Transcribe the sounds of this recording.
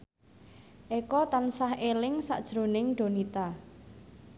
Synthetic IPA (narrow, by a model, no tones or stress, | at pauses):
ʔekɔt̪ansahʔelɪŋsa̰ʔd̥ʒ̥ɾo̤nɪŋɖ̥o̤nit̪a